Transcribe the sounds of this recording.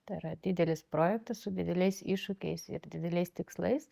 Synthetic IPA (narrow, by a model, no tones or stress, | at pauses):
t̪ɐiɾɐd̪ʲɪd̪ʲɛlʲɪspɾoːjɛk̚t̪ɐssʊd̪ʲɪd̪ʲɛlʲɛɪsiːʃʊkʲɛɪsɪ̰ɾd̪ʲɪd̪ʲɛlʲɛɪst̪ʲɪkslˠɐ̰ɪs